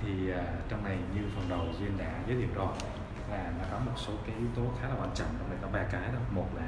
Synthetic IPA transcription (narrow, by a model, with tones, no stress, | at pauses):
t̪ʰi˨˩aː˨˩t͡ɕɔ˧wŋ͡mna˨˩jɲɨ˧fə˨˩nɗə˨˩wzwi˧ənɗa̰ː˧˥zəː˨˦jt̪ʰi˧˨əwɗɔ˨˩ | laː˨˩nɔ˨˦kɔ˨˦mo˨˩t̚so˨˦kaː˨˦jʔi˨˦wt̪o˨˦xaː˨˦laː˨˩waː˧nt͡ɕɔ̰˧˨ŋt͡ɕɔ˧wŋ͡mna˨˩jkɔ˨˦ɓaː˧kaː˨˦jɗɔ˨˦wmo˨˩t̚laː˨˩